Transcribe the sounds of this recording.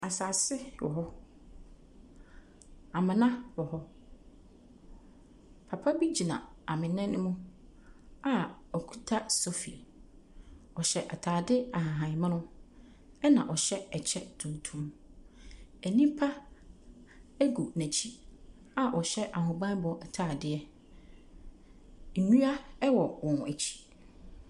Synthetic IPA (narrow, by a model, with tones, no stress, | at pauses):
a˨saː˨sɪ˦wɔ̰˨ɦɔ˦ | a˨mɪ̃˨nã˦wɔ˨ɦɔ˦ | pʰa˨pʰa˦bi˦d͡ʑi˨nã̰˨a˨mɪ̃˨nɛ̃˦nʊ̃˦mũ˦ | a˨ɔ˨kʰu̥˦tʰa˦so˦fḭ˨ | ɔ˨ɕɛ˨ʔa˨tʰaː˨dɪ˦a˨ɦã˨ɦã˨ɲ˨mã˦nʊ̃˦ | ɛ˦nã˨ʔɔ˨ɕɛ˦ɛ˨t͡ɕʰɛ˦tʰũ˨n˨tʰũ˦m | æ˨nĩ˦pʰa˦ | æ˦ɡu˨næ̃˨t͡ɕʰi˦ | a˨ʔɔ˨ɕɛ˦ʔa˨ɦʊ̃˨bã˦n˦bɔ˨ʔɛ˨tʰaː˨dɪ˦ɛ˦ | n̩˨nũ˦a˦ɛ˦wɔ˨wɔ̃˨n˨æ˨t͡ɕʰi̥˦